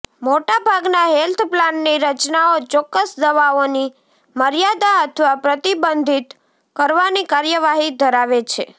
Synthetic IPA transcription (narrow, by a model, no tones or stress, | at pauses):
moʈabʱaɡnaɦelt̪ʰplanːiɾət͡ʃnaot͡ʃɔkːəsd̪əʋaoni | məɾjad̪aət̪ʰʋapɾət̪ibənd̪ʱit̪ | kəɾʋanikaɾjəʋaɦid̪ʱəɾaʋet͡ʃʰe